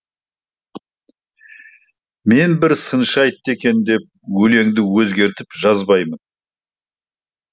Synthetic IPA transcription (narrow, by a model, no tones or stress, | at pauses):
me̞nbɪɾsənʃɑjt̪ːe̞kʲe̞nd̪e̞p̚wɵle̞ŋd̪ɪwɵzɡʲe̞ɾt̪ɪpʒɑzbɑjmən